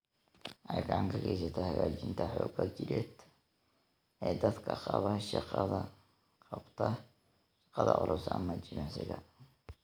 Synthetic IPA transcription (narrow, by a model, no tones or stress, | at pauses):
ʔɐjkaʕŋkʰɐɣɛs̬ɐt̪ʰɐhɐɣaːt͡ʃɪnt̪ʰɐħɔːɡɐt͡ʃɪɾɛːd̪ | ɛːd̪ɐd̪kʰɐqɑβɐʃɑqɑðɐ | qɑbt̪ʰɐ | ʃɑ̥qɑðɐʔʊɾʊsɐmɐd͡ʒɪnɛsɪɣɐ